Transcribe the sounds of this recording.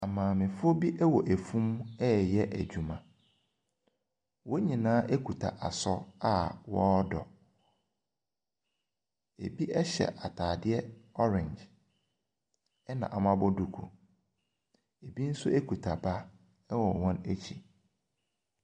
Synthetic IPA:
a˨mãː˨mɪ̃˨fʊ˦o˦bi˦ʔɛ˦wɔ˨ʔæ˨fũ˦mɛ˦˨jɛ˦ʔæ̰˨d͡ʑᶣu˨mã˨ | wɔ˦ɲĩ˨nãː˦ʔe˦kʰu˨tʰa̰˨ʔa˨sɔ˦a˦wɔ˦dɔ̰˨ | ḛ˨bi˦ʔɛ˦ɕɛ̰˨ʔa˨tʰaː˨dɪ˦ɛ˦ɔ˦ɾɛ̃˨ɲd͡ʒ | ɛ˦nã̰˨ʔa˨mã˦bɔ˦du˨kʰṵ˨ | e˨bi˦n̩˦sʊ˦e˦kʰu˨tʰa˨ba˦ | ɛ˦wɔ˨wɔ̃˦næ˦t͡ɕʰi˨

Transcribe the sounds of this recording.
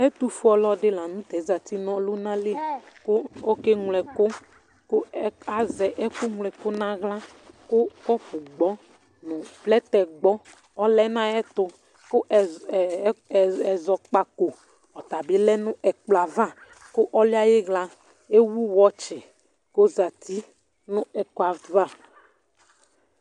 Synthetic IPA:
ɛ˦t̪u˨fu˦ɔ˨lɔ˦dɪ˦la˨nʊ̃˦t̪ɛ˨˦za˨ti˦nɔ̃˦lʊ˦nã˦le˦kʊ˦o˦ke˦ŋlɛ˨kʊ˦ | kʊ˦a˨zɛ˨ʔɛ˦kʊ˦ŋlɛ˨kʊ˦nã˦ɣla˦ | kʊ˦kɔ˦pu˨ɡ͡bɔ˦ | nʊ̃˨plɛ˦t̪ɛ˨ɡ͡bɔ˦ | ɔ˦lɛ˦nã˦ɛ˦t̪ʊ˨ | kʊ˦˨˦ | ɛ˨zɔ˨k͡pa˦ko˨ | ɔ˨t̪a˨be˦lɛ˦nʊ̃˦ʔɛ˨k͡pla˨va˦ | kʊ˦ʔɔ˦lɪ˦a˦je˦ɣla˦ | e˦wu˦wɔ˦t͡ʃɪ˨ | ko˦za˨t̪i˦ | nʊ̃˦ɛ˨ka˨va˦˨

